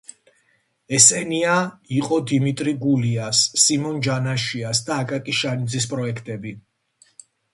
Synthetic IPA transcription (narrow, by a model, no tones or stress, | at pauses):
ɛsɛniaiqʼɔd̪imit̪ʼɾiɡuliasːimɔnd͡ʒanaʃiasd̪aːkʼak̪ʼiʃanid̪zispʼɾɔɛkʰt̪ʼɛbi